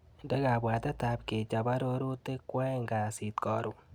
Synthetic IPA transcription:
ndɛ˦ka˨bwa˨t̪ɛ˦ta˨pke˨t͡ʃa˨ba˦ɾo˦ɾo˦te˦kwɛ˦ŋɡa˨si˨tkɔ˨ɾu˨

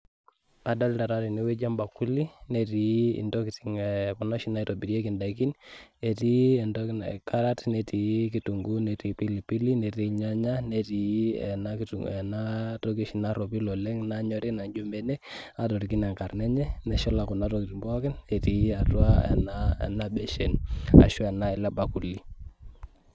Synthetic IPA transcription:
a˨da˦lta˨ɾa˦ɾi˨ni˨˦we˦d͡ʒa˦mba˨ku˦li˦ne˦ti˨ḭ˨ndɔ˦ki˨ti˨ŋɛ˨kɔ˨nɔ˦ʃi˦na˦i˦to˨bi˨ɾi˦e˦ki˨nda˨ki˦ne˨ti˦ɛ˨ndɔkka˦ɾa˦tnɛ˨ti˨ki˨tu˨ŋɡu˦ne˨ti˨pi˦li˨pi˦li˦nɛ˨ti˦ɲa˦ɲa˦ne˦ti˨ɛ̰˨na˦kituɛ˨na˦tɔ˦ki˦ʃi˨na˦ɾɔ˨pi˦lɔ˨lɛ˦ŋna˦ɲɔ˦ɾi˦na˨ɲd͡ʒo˦mbɛ˦nɛ˦ | a˨tɔ˨ɾi˨ki˦nɛ˨ŋka˨rnɛ˦ɲɛ˦nɛ˨ʃɔ˦la˨ku˨na˦tɔ˨ki˨ti˨mbɔ˦kɛ˦nɛ˨ti˨˦a˨twa˦ɛ̰naɛ̰˨na˦bɛ˦ʃɛ˨na̰˨ʃu˦ɛ˨na˦ɛ˨lɛ˦ba˨ku˨li˦

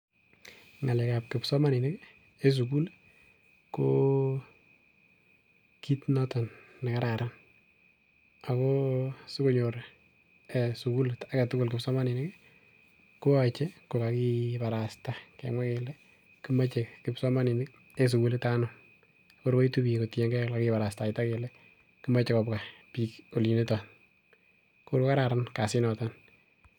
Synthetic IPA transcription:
ŋa˨le˨kap̚kɪpsɔ˦ma˦ni˨nɪ˦k | e˦s̬uk̬u˦l | ko | ki˦tnɔtɔ˨nː | a˨ka˦ɾa˨ɾa˦n | a˨kɔsʊ˦kʊ˨ɲoɾ | esu˨ku˦lea˦ka˨tʊ˦kʊ˨lkɪpsɔ˦ma˦ni˨nɪ˦k | ku˦at͡ʃe˦ko˨kaki˦pa˨ɾastakḛ˨ŋwa˦kele˦ | ki˦ma˦t͡ʃe˨kɪpsɔ˦ma˦ni˨n | e˦s̬u˨ku˦ltanɔ | ko˦ɾko˦i˦tu˦bi˨ko˨tɛ˦ŋɡɛ˦klakipa˨ɾasta˨ɪta˦ke˨le˦ | kɨ˦ma˦t͡ʃekɔpka˨piko˨li˨ne˦tɔ˨n | kuɾko˦ka˦ɾa˨ɾanka˨sɪ˦nɔtan

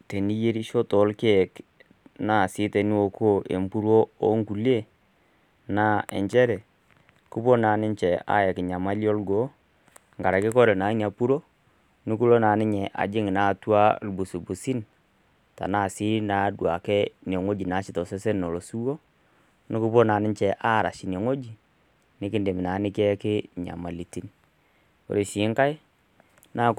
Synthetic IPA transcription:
te˨ni˦je˦ɾi˦ʃo˦tɔ˨˦lke˦˨k | na˦˨si˦te˨ni˦wo˨kʰo˦˨ʔḛ˨mpu˦ɾwo˦o˦ŋku˨li˦e˦˨ | na˦ɛ̰˨ɲt͡ʃɛ˦ɾɛ˨ | ku˦po˦na˨nɪ˦ɲt͡ʃɛ˨a̰˦jɛ˨ki˨ɲa˨ma˦lɔ˦lɡo˨˦ | ŋɡa˨ɾa˨kɪ˦kɔ˦ɾɛ˨na˨˦i˦ni˨a˨pu˦ɾo˦ | nɪ˦ku˦lo˦na˨nɪ˦ɲɛ˨ʔa̰˨d͡ʒɪ˦ŋi˨na˨twa˦lbu˨su˨bu˨si˦n | ta̰˨na˦˨si˦na˨˦dwa˨kɛ˦ne˨ŋo˦d͡ʒi˨na˨˦ʃɪ˨tɔ˨sɛ˦sɛ˦nno˨lo˨su˦wo˦ | nɪ˦ku˦po˦na˨nɪ˦nt͡ʃɛ˨ʔa˦˨ɾa̰˨ʃi˨n˨e˨ŋo˦d͡ʒi˨ | nɪ˦kɪ˦nde˨mɪ˨na˨˦nɪ˦kɛ˦kɪ˦ɲa̰˨ma˨li˨ti˨˦n˨ | o̰˨ɾe˨ʃi˨˦ŋka˦j | na˦

